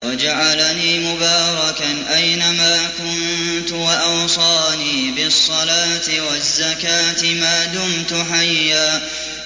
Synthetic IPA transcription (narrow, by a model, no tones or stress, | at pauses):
wad͡ʒaʕalaniːmʊbɑːɾˤɑkanʔajnamaːkʊn | t̪ʊwaʔɑwsˤɑːniːbɪsˤːɑlaːt̪ɪwazːakaːt̪ɪmaːd̪ʊmt̪ʊħajːaː